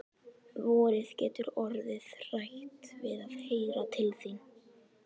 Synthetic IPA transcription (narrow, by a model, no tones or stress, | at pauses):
vɔːɾɪðcɛ̰ːt̪ʏɾɔɾðɪðr̥ajht̪vɪðaðheːjɾat̪ʰɪlθin